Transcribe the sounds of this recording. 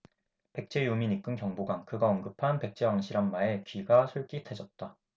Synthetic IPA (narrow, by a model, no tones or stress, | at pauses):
pe̞k̚t͡ɕ͈e̞jumiɲik͈ɯnkjʌŋboɡaŋkɯɡaʌnɡɯpʰanpe̞k̚t͡ɕ͈e̞waŋɕʰiɾanmae̞kɥiɡasʰuɭk͈itʰed͡ʑʌt̚t͈a